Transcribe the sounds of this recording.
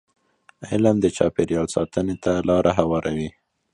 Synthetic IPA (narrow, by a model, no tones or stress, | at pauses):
ɪlamd̪ət͡ʃɑpeɾjɑlsɑt̪ənet̪alɑɾʔaɦawɑɾʔawi